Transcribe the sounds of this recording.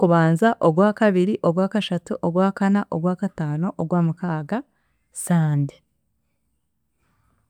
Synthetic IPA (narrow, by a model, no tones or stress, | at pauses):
kuβaːnzaʔoɡwaːkaβiɾiʔo̞ɡwaːkaʃatuʔoɡwaːkanaʔo̰ɡwaːkataːno̞ʔoɡwaːmukaːɡa | saːndi̥